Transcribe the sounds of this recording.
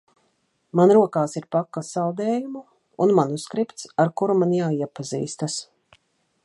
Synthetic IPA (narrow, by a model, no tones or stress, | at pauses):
manɾuɔkaːsiɾpakːasawd̪ɛːjumu | unmanuskɾipt̪saɾkuɾumanjaːiɛpazḭːst̪as